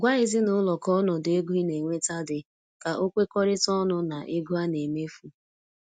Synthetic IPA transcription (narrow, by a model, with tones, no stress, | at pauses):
ɡʷa˦ɪ˨zi˦nʊ˦lɔ˨kɔ˦nɔ˨de˦ɡu˦i˦ne˨ŋʷe˦ta˦dɪ˨ | ka˨ʔo˦kʷe˦kɔ˦ɾɪ˦tɔ˦nʊ˦na˨ʔe˦ɡu˦a˦ne˨me˦fu˨